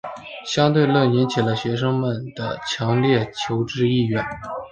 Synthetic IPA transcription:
ɕjɑ˥ŋt̪we˥˧ɪlɤ˥˩njɛ˧˥nt͡ɕʰi˨˩lə˦ɕɥɛ˧˥ʂ̬ɤ˥ŋmə˨˩nd̪ə̰˩t͡ɕʰjɑ˧˥ŋljɛ˥˩t͡ɕʰjo˧˥ʊʈ͡ʂɻ̩˥i˥˧ɥɛ˥˩n

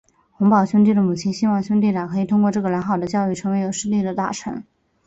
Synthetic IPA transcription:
xʊ˧˥ŋpɑ˨˩ʊɕjʊ˥ŋt̪̬i˥˩d̪ə˩mu˨˩t͡ɕʰi˥nɕi˥nwɑ˥˩ŋɕʊ˥ŋt̪i˥˩ʈ͡ʂa˨˩kʰɤ˧˥i˨˩t̪ʰʊ˥ŋkwɔ˥˧ʈ͡ʂɤ˥˩ɡə˩ljɑ˧˥nxɑ˨˩ʊd̪ə˦t͡ɕjɑ˥˧ʊy˥˩ʈ͡ʂʰɤ˧˥ŋwe˧˥ɪjo˨˩ʊʂɻ̩˥li˥˩d̪ə˩t̪a̰˥˩ʈ͡ʂʰɤ̰˧˥ŋ

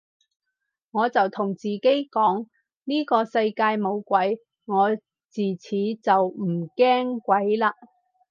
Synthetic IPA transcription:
ŋɔː˨˧t͡sɐ˨wt̪ʰʊ˨˩ŋt͡siː˨ke˥jkɔː˨˥ŋ | niː˥kɔː˧sɐ˧jkaː˧jmo˨˧wkʷɐ˨˥j | ŋɔː˨˧ | t͡siː˨˩t͡sʰiː˨˥t͡sɐ˨wm̩˨˩kɛː˥ŋkʷɐ˨˥jlaː˧

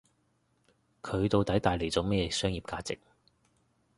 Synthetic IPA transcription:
kʰɵ˨˧ɥt̪o˧wt̪ɐ˨˥jt̪aː˨jle˨˩jt͡sɔː˨˧˥mɛː˥jɛː˨˧sœː˥ŋjiː˨˩p̚kaː˧t͡sɪ̰˨k̚

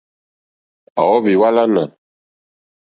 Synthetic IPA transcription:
a̰˨wɔ˦βi˨wa˦la˦na˨

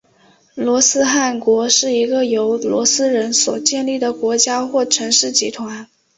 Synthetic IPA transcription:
lwɔ˧˥sɹ̩˥xa˥˩nkwɔ˧˥ʂɻ̩˥˩i˧˥ɡə˧jo˧˥ʊlwɔ̰˧˥sɹ̩˥ɻə˧˥nswɔ˨˩t͡ɕjɛ˥˧nli˥˩d̪ə˩kwɔ˧˥t͡ɕja˥xwɔ˥˩ʈ͡ʂʰɤ˧˥ŋʂɻ̩˥˩t͡ɕi˧˥t̪ʰwa˧˥n

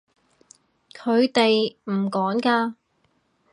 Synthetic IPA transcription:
kʰɵ˨˧ɥt̪e˨jm̩˨˩kɔː˨˥ŋkaː˧

